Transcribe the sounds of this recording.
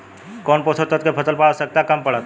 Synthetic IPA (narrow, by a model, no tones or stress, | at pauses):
kɔːnpoːsot̪ət̪̚kepʰɐsəlpasək̚t̪akɐmpɐɽaːt̪